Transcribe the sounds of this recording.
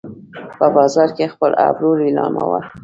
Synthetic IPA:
pəbɑzɑɾkexpəlabɾuɾilɑmawə

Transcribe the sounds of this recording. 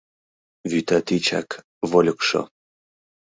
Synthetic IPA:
vyt̪at̪it͡ɕa̰k | volʲkʃo̰

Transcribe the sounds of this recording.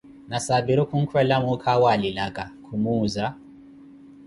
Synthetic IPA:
nasabiɾukuŋ̩kʰwɛlamukʰawalilaɡakʰumuːza

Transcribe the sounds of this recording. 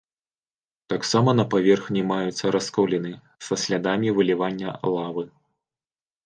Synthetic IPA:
t̪aksamɐnɐpavʲɛrxnʲimajut̪sːɐɾʔaskɔwlʲɛnɨ | sɐsʲlʲad̪amʲivɨlʲivanʲːɐ̰lˠavɨ

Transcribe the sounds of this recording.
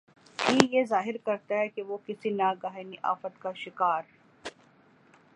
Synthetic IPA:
ʈʰiːjezaːɦɪɾkɐɾt̪aɦɛkeʋokɪsinaːɡaːɦeniʔa̰ːfət̪kaʃɪkaːɾ

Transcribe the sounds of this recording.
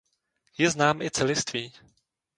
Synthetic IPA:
jɛznaːmʔɪt͡sɛlɪst̪viː

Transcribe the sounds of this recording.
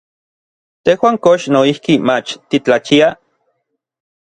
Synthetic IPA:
t̪ehwaːŋkoʃnoihkimat͡ʃt̪it͡ɬat͡ʃia

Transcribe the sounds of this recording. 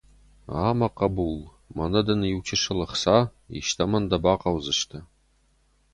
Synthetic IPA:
a̰ːmɐqɐbul | mɐnɐd̪ɐniwt͡ʃʰɪʂɨlɨχsa | ḭʃtʰɐmɐnd̪ɐbaːqɐwzɨʂt̪ʰɐ

